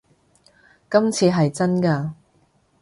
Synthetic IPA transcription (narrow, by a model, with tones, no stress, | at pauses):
kɐ˥mt͡sʰiː˧ɦɐ˨jt͡sɐ˥nkaː˧